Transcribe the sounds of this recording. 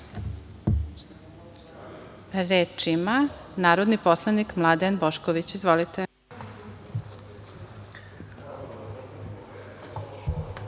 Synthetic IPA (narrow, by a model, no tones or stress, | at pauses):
ɾet͡ʃimanaːɾod̪niposlˠanikmlˠad̪enboʃkoʋit͡ɕizʋolit̪e